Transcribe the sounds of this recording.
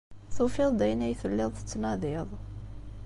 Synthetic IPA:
θufɪðˤd̪æjnæjθəlːɪðˤθət͡sːnɑðɪðˤ

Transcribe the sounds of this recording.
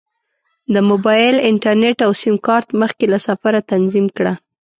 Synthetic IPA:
d̪əmobɑjɪlɪɳʈaɾneʈawsimkɑɾt̪məxkelasafaɾat̪anzimkɽa

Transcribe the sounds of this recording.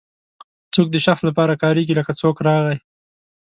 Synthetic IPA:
t͡sok̚d̪əʃaxslapɑɾakɑɾeɡiləkat͡sokɾɑɣaj

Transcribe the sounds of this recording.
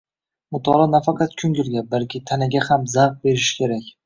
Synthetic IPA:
mʊt̪ʰɒlˠɒnafɑqʰɑt̪kʲʰʊŋɡʲɪlɡʲabalkʲʰɪt̪ʰanɪɡʲahamzaʁf̚be̞ɾɪʃkʲʰe̞ɾakʲ

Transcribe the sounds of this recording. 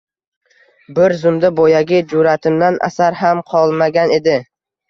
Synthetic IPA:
bɪɾzʊmd̪abojaɡʲɪd͡ʒʊɾat̪ʰɪmd̪anʔa̰saɾɦamqʰɒlˠmaɡʲane̞d̪ɪ

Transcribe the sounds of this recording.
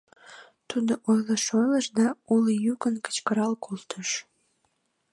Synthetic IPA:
t̪ud̪oʔojləʃojləʃd̪ɑulijukənkə̥t͡ɕkəɾɑlkolt̪ʰəʃ

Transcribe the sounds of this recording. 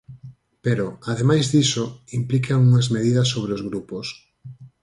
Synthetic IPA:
peɾoaðemajzðisoimplikaŋuŋazmeðiðɐs̬ːoβ̞ɾeozɣɾupos

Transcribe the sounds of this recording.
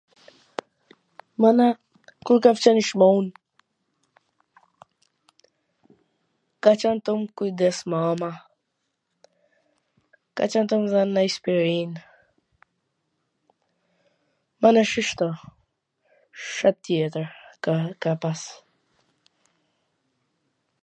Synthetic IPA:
mana | kulkaft͡ʃaniʃmaun | kat͡ʃant̪omkuid̪ɛsmama | ka̰t͡ʃant̪omzanːaispiɾin | manaʃiʃt̪ɔ | ʃat̪ːiet̪əɾkapas

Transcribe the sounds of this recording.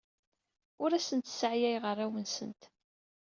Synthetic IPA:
ʊɾæsənt̪səʕjæjʁərˤːæwənsə̰nt̪

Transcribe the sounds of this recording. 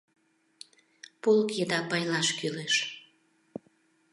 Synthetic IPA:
pulkjəd̪ɑpɑjlɑʃkyleʃ

